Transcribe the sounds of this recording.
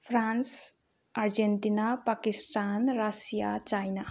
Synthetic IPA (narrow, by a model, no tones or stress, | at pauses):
pʰɾans | aɾd͡ʒent̪inapakisʈanɾasija̰t͡ʃajna